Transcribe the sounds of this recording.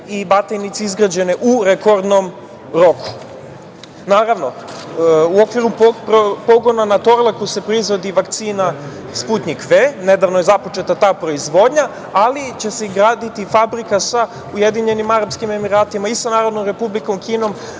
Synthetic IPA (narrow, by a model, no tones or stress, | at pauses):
ibat̪ajnit̪siizɡɾad͡ʑe̞neʔuɾeko̞ɾd̪nom | ɾo̞kʰu̥ | naːɾaʋno̞ | uo̞kʋiɾupopo̞ɡo̞nanat̪o̞ɾlˠakuse̞pɾoizʋo̞d̪iʋakt̪siːna | sput̪nikʋeːne̞d̪aʋno̞je̞zapo̞t͡ʃe̞t̪at̪aːpɾo̞izʋo̞d̪ɲa | alit͡ɕe̞seiɡɾaːd̪it̪ifabɾikasa | uje̞d̪iɲe̞nimaɾapskime̞miɾaːt̪imaisanaːɾo̞d̪no̞mɾe̞publiko̞mkiːno̞m